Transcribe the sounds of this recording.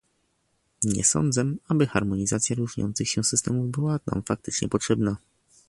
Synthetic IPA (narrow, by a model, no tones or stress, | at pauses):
ɲɛ̰sɔ̰nd̪zɛabɘxaɾmɔɲizat̪sʲjaɾuʐɲɔ̰nt̪sɘxɕɛ̃sɘst̪ɛmuvbɘwana̰mfak̚t̪ɘt͡ʂɲɛ̰pɔtʂɛbna